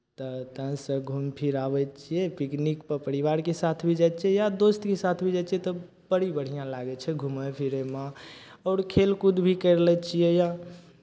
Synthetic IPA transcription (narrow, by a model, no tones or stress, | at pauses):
t̪ɔt̪əɦsə̃ɡʱumpʰiɾabɛt͡ʃʰijɛpiknikpəɾpəɾiʋaɾkesat̪ʰbʱid͡ʒat͡ʃʰɛjad̪ost̪kesat̪ʰbʱid͡ʒat͡ʃʰiɛt̪ɔ | bəɽibəɽ̤ijãlaɡɛt͡ʃʰɛɡʱuməpʰiɾemã | ɔːɾkʰelkud̪bʱikəɾlɛt͡ʃʰijɛja